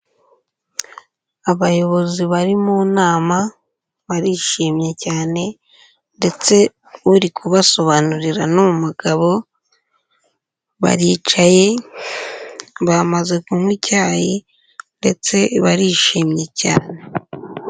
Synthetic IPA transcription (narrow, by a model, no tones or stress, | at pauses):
aβajo̞βo̞ziβaɾimuːnaːma | βaɾiʃimɲe̞caːne̞ | nde̞t͡se̞ | uɾikʰuβaso̞βanuɾiɾanumumuɡ̥aβo̞ | βa̰ɾiːt͡ʃaje̞ | βamaze̞kumwicaːji | nde̞t͡se̞βaɾiʃimɲe̞ca̰ːne̞